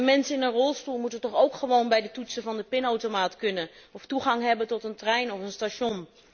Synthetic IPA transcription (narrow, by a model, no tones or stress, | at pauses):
mɛnsənɪnənrɔlˠstulˠmutəntɔχowkχəʋownbɛjdətutsəvɑndəpɪnowtomaːtkɵnəɔftuχɑŋɦɛbəntɔtəntrɛjnɔfənstaʃɔn